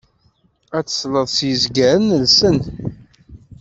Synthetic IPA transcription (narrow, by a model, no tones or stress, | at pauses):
æt͡sːə̥sləðˤsjəzɡæɾənəlsən